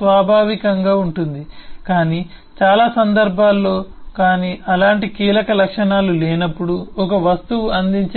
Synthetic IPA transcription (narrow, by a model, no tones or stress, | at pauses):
ʋaːbʱaːʋikɐŋɡaːuɳʈund̪ikaːniː | t͡ʃaːlaːsɐnd̪ɐɾbʱaːlːo̞ːkaːniːʔɐlaːɳʈikiːlɐkɐlɐkʂɐnaːlulɛːnɐpːuɽuɔkɐʋɐst̪uʋuɐnd̪iɲt͡ʃ